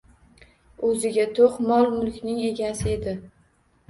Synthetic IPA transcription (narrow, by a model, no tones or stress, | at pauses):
ɵzɪɡʲat̪ʰoqmɒlˠmʊlkʲnɪŋe̞ɡʲasɪe̞d̪ɪ